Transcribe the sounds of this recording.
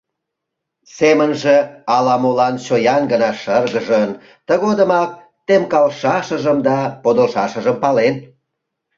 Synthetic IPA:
semənʒeɑlɑmolɑnt͡ɕojɑnɡənɑʃərɣəʒən | t̪əɣod̪əmɑk̚ | t̪emkɑlʃɑʃəʒəmd̪ɑpod̪olʃɑʃəʒəmpɑlen

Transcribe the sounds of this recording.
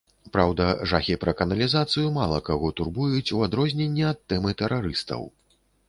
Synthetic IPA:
pɾawd̪ɐʐaxʲipɾɐkɐnɐlʲizat̪sɨjumalˠɐkaɣɔt̪urbujut͡sʲuad̪ɾɔzʲnʲenʲːɛɐt̪ːɛmɨt̪ɛɾʔaɾɨst̪ɐ̰w

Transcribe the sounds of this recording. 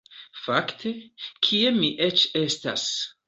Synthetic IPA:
faktʰe̞kʰiemiʔe̞t͡ʃe̞sta̰s

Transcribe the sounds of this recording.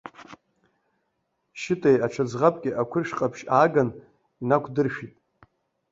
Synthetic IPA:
ʃɪtʼejaʈ͡ʂʰad͡zʁapʼkʲʼɪʔakʷʰʊrʃqʼapʰʃaːɡan | inakʷʰdɨrʃᶣitʼ

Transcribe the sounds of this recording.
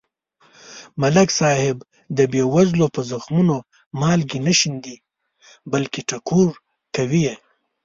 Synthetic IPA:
malaksɑːhɪb | d̪əbewazlopəzaxmuno | mɑːlɡinaʃind̪i | balkiʈakʰuɾ | kawije

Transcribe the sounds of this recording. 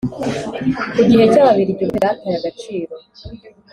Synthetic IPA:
iɡihe̞caβaβiɾiɟomiɾatajaɡat͡ʃiːɾo̞

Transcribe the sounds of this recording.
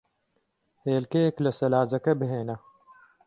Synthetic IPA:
heːlkeklɐsɐlaːzɐkɐbɦeːnɐ

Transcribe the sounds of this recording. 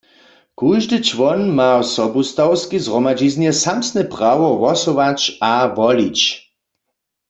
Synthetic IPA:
kuʒdɨt͡ʃʋɔnmawsɔbust̪awskizʁɔmad͡ʒiznjɛsamsnɛpʁawɔʋɔsoʋat͡ʃaʋɔlit͡ɕ

